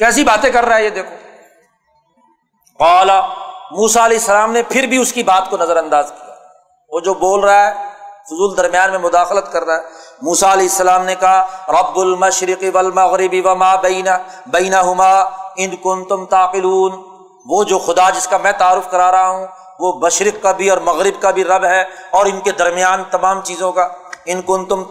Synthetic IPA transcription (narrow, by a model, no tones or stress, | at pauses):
kɛːsibaːt̪ẽkɐɾːaɦɛjed̪eːkʰoː | qaːlamuːsaɐlɛːɪsːɐlaːmnepʰɪɾbʱiʊskibaːt̪konɐzəɾɐ̃nd̪aːzkija | oːd͡ʒoːboːlɾaaɦɛːfʊzuːld̪ɐɾmijaːnmẽmʊd̪aːxlət̪kɐɾːaɛːmuːsaɐlɛːɪsːɐlaːmnekɐɦaɾɐbbʊlmɐʃɾɪqiʋɐlmɐɣɾɪbiʋɐmaːbɐɪnbɐɪːnɐɦʊmaːɪnkʊ̃nt̪ʊ̃mt̪aːqɪluːn | ʋoːd͡ʒoːxʊd̪ad͡ʒɪskamɛ̃ːt̪aːɾʊfkɐɾaːɾɐɦaɦũ | ʋomɐʃɾɪqkabʱiɔːɾmɐɣɾɪbkabʱiɾɐbɦɛɔːɾɪnked̪ɐɾmijaːnt̪ɐmaːmt͡ʃiːzõkaːɪnkʊnt̪ʊm